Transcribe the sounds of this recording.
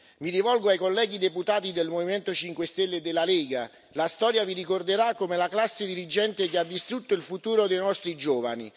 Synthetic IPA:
midivɔlɡoajkolːɛːɡid̪eput̪aːt̪id̪elmoviment̪ot͡ʃiŋkwest̪elːed̪elːaleːɡa̰ | last̪ɔːɾjavirikord̪eɾakːomelaklasːed̪iɾid͡ʒɛnt̪ek̟ead̪ːist̪ɾut̪ːoilfut̪uːɾod̪ejnɔst̪ɾid͡ʒoːva̰nḭ

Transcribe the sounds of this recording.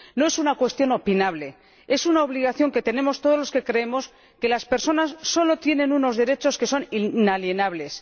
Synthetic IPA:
noe̞sunakwe̞st̪jo̞no̞pinaβle̞ | e̞sunao̞β̞liɣ̞aθjo̞ŋke̞t̪e̞nẽ̞mo̞st̪oð̞o̞zlo̞ske̞kɾe̞emo̞s | ke̞laspe̞ɾso̞nasːo̞lo̞t̪je̞nẽ̞nuno̞zðe̞ɾe̞t͡ʃo̞ske̞so̞ninalje̞naβ̞le̞s

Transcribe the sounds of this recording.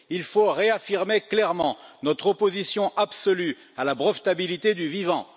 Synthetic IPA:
ilfoʁeafiʁmeklɛʁmɑ̃nɔt̪χɔpozisjɔ̃ʔabsɔly | alabʁɔft̪abilit̪ed̪yvivɑ̃

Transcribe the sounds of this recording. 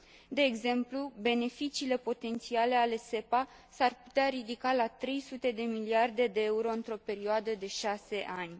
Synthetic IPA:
d̪e̞ːɡze̞mplube̞ne̞fit͡ʃiːle̞po̞t̪e̞nt̪siale̞ale̞se̞pa | sarpu̥t̪eaɾid̪ikalat̪ɾe̞jsut̪e̞d̪e̞miliard̪e̞d̪e̞euɾo̞ɨnt̪ɾo̞pe̞ɾioad̪əd̪e̞ʃase̞ʔanʲ

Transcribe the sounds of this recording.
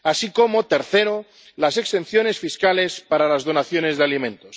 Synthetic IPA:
asiko̞mo̞t̪eɾθeɾo | lase̞kst̪e̞nθjo̞ne̞sfiskale̞spaɾalazð̞onaθjo̞ne̞zðealimẽ̞nt̪os

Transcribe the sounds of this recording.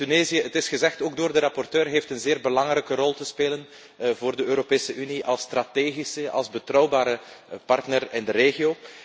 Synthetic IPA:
tyneːzijəətɪsxəzɛxtoːɡ̚doːrdəɾɑpɔrtøːrɦeːftənzeːrbəlɑŋɾɛjkərɔlˠtəspeːlən | voːrdəøːɾopeːsəʔyniʔɑlˠst̪rateːɣisəʔɑ̰lˠzbətrɔwbaːɾəpɑrtnərɪndəɾeːɣioː

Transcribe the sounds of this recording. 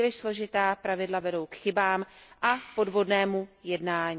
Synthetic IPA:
lɪʃslo̞ʒɪt̪aːpɾavɪdlavɛdo̞wkxɪbaːmʔapo̞dvo̞dnɛːmujɛdnaːɲ

